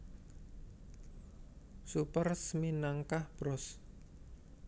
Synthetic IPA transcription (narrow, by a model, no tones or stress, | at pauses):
supərsminaŋkahb̥ɾɔs